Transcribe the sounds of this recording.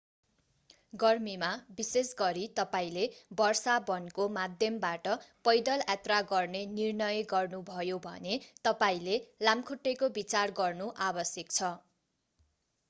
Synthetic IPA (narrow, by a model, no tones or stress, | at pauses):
ɡʌrmimabisesɡʌɾit̪ʌpaĩlebʌrsabʌnkomad̪ʱjʌmbaʈʌpʌjd̪ʌlat̪raɡʌrnenirnʌjʌɡʌrnubʱʌjobʱʌ̰net̪ʌpaĩlelamkʰuʈːekobit͡sarɡʌrnuʔabʌsjʌk̚t͡sʰʌ